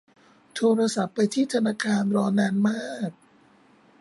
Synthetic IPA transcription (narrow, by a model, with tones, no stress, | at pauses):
t̪ʰoː˧ɾa˧sa˨˦pːa˧jt̪ʰiː˥˩t̪ʰa˧naː˧kʰaː˧nɾɔː˧naː˧nmaː˥˩k̚